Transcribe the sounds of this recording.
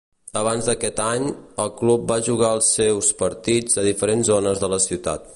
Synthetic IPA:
əβ̞anzd̪əkɛt̪aɲəlˠklup̚baʒuɣaəlˠsewspəɾt̪id͡zəð̞ifəɾenzonəzðələsiwt̪a̰t̪̚

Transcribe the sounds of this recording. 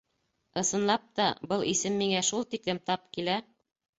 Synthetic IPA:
ɤ̆sɤ̆nlˠɑp̚t̪ɑ̰bɤlˠʔisɘmːiŋæʃulˠt̪iklɘmt̪ɑp̚kilæ

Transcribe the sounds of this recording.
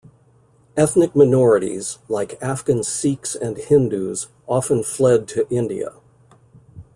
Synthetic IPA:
ɛθnɨk̚maɪnɔɹɨɾḭz̥laɪkʰæfɡ̥ɨ̃n̥siksɨ̃nhɪ̃ndʉz | ʔɑfə̃nflɛd̚tʰɨʔɪ̃ndiɨ̰

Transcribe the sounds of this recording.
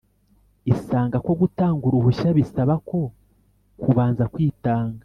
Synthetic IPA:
isaːŋɡako̞ɡutaːŋɡuɾuβuʃaβisaβako̞ | kuβaːnzakwiːtaːŋɡa

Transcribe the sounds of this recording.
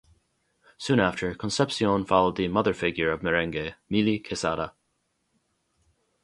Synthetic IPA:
sũːnaftʰə˞kʰə̃nsɛpsioːnfalˠod̪imʌðəɹfɪɡjəɹɔvməɹɛ̃ŋɡemiːlikʰɪsaɾə

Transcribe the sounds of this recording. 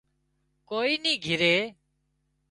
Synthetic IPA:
koːiːniːɡʱɪɾeː

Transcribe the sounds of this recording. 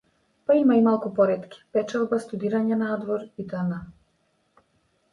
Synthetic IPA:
paimaimalˠkupɔɾɛt̪kʲi̥pɛt͡ʃalˠbast̪ud̪iɾaɲanad̪vɔɾit̪əna

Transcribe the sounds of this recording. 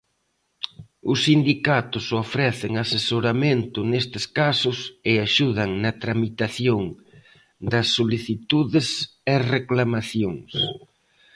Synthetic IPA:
ʊsːind̪ikat̪ʊsofɾɛθɪŋasesoɾamẽnt̪ʊnest̪ɪskasʊsɪaʃuðɐŋnɐt̪ɾamit̪aθjoŋ | d̪ɐsːoliθit̪uðɪs | ereklamaθjoŋs

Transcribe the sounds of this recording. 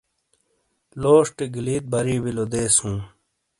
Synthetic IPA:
loːʂʈeɡiliːt̪̚bɐɾiːbilod̪eːsũː

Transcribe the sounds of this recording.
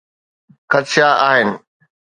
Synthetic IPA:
xɐt̪ʃaaːɦɪnɪ̆

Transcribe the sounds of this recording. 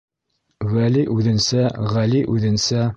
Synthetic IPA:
wæliʔʉðɘ̆nsæʁæliʔʉðɘ̆nsæ

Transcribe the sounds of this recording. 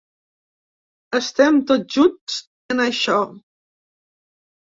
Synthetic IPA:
əst̪ɛmt̪oʒuns | ənəʃɔ

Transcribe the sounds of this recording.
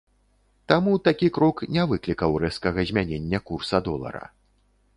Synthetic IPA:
t̪amut̪akʲikɾɔknʲɛvɨklʲikɐwrɛskɐɣɐzʲmʲanʲenʲːɐkursɐd̪ɔlˠɐ̰ɾɐ̰

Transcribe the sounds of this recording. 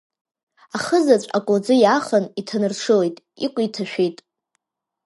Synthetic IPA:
aχəzat͡ɕʷʼa̰kʷʼod͡zɨjaχənitʰanɨrʂɨle̞jtʼ | ikʷʼitʰaʃᶣejtʼ

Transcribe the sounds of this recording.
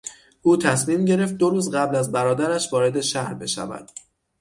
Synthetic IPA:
ʔuːt̪ʰæsmiːmɟe̞ɾe̞ft̪̚d̪oɾuːzɢæblæzbæɾɒːd̪æɾæʃvɒːɾe̞d̪e̞ʃæhɾbe̞ʃæ̰væ̰d̪̥

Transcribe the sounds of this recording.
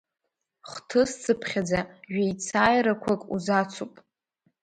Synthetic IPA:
χtʰɨst͡sʰʼɨpʰχʲad͡zaʒᶣejt͡sʰaːjɾakʷʰakʼṵzat͡sʷʰupʼ

